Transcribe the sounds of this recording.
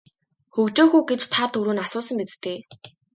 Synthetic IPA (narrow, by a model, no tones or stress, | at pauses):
xɵkt͡ɕoːxuːɡet͡ɕt̪ʰat̪ʰɵɾuːnasʊːsə̆mpet͡st̪eː